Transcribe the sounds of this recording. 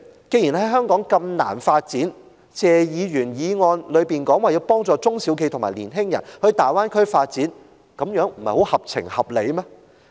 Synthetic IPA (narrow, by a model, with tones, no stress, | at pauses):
ke˧jiː˨˩nhɐ˨˦jɦœː˥ŋkɔː˨˥ŋkɐ˧mna̰ː˨˩nfaː˧t̚t͡siː˨˥n | t͡sɛː˨˩jiː˨˧ɥyː˨˩njiː˨˧ŋɔː˧nlɵ˨˧ɥpiː˨˩nkɔː˨˥ŋwaː˨˧jiː˨˧wpɔː˥ŋt͡sɔː˧t͡sʊ˥ŋsi˨˥wk̬ʰe˧jt̪ʰʊ˨˩ŋmaː˨˩lḭː˨˩nɦɪ˥ŋjɐ̰˨˩nhɵ˧ɥt̪aː˨˩jwaː˥nkʰɵ˥ɥfaː˧t̚t͡siː˨˥n | kɐ˨˦mjœː˨˥ŋm̩˨˩hɐ˨jho˨˥whɐ˨p̚t͡sʰɪ̰˨˩ŋhɐ˨p̚le˨˧jmɛː˥